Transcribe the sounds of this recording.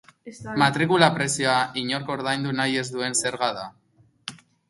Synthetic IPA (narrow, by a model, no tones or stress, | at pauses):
mat̪ɾikulapɾe̞sioaʔiɲo̞ɾkoːɾðajnd̪unaje̞zd̪ue̞nse̞ɾɣaða